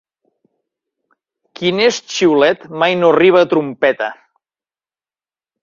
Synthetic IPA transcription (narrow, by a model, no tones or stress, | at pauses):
kinest͡ʃiwlɛt̪majnoriβ̞aːt̪ɾumpɛt̪ə